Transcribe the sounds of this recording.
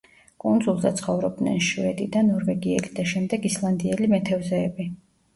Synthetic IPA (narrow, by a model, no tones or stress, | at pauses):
kʼund̪zulˠza̰t̪sʰχɔvɾɔb̚d̪nɛ̰nʃvɛd̪id̪anɔɾvɛɡiɛ̰lid̪̥aʃɛmd̪ɛɡislˠand̪iɛlimɛt̪ʰɛvzɛːbi